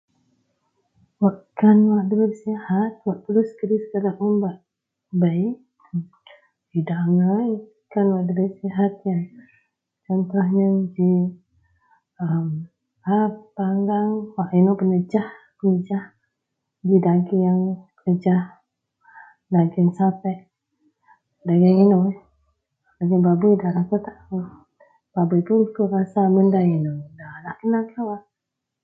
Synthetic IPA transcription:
waʔkanwaʔdəɾəsihat̪̚waʔt̪əluskəɾisə̥kəɾaʔumbaʔ | bəi | d͡ʒidaŋa | kanwaʔdəɾəsiɦat̪jaŋ | t͡ʃɔnt̪uhɲəd͡ʒi | əm | hapaŋɡaŋwaʔinopənəd͡ʒah | pənəd͡ʒah | d͡ʒidaɡijaŋkəəd͡ʒah | naɡɛnsapɛʔ | daɡəino | laɡənbabəjdahɾakət̪aʔu | b̥abəjpunkuɾasaməndajinodalahkənaɡawa

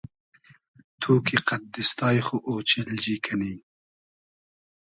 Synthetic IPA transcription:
t̪ʰuːkʰiqat̪̚d̪ɪst̪ɑjxoʔot͡ʃɪld͡ʒikʰani

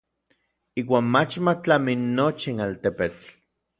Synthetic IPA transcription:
iːwaːnmat͡ʃmat͡ɬaminːot͡ʃinalt̪epet͡ɬ

